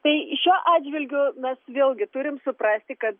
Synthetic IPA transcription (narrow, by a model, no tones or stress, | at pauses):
t̪ɐɪʃʲuɔʔɑːdʲd͡ʒʲʋʲɪlʲɡʲʊmʲɛsʋʲeːlˠʲɡʲɪt̪ʊɾʲɪmsʊprɑsʲt̪ʲɪkɐt̪